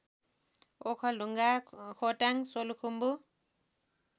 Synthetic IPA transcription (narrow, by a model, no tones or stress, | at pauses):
okʰʌluŋɡakʰoʈaŋsolukʰumbu